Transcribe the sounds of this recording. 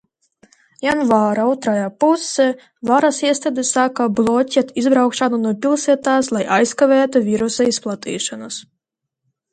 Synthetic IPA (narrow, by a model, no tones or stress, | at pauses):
janvaːɾaɔwt̪ɾajapusɛ | vaɾasiɛst̪ad̪ʲesakablˠɔcʲɛt̪izbɾawkʃanunuɔpʲilˠsiɛt̪aːslˠajʔajskavɛːt̪uvʲiɾusaisplˠat̪ḭːʃanas